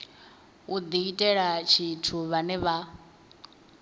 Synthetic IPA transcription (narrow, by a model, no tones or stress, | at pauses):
ud̪iitʼɛɺat͡ʃʰitʰuβanɛβa